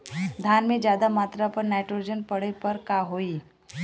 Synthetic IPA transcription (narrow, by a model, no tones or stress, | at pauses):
d̪ʱaːnmẽd͡ʒjaːd̪amaːt̪ɾapəɾnajʈɾod͡ʒənpəɽepəɾkaɦoi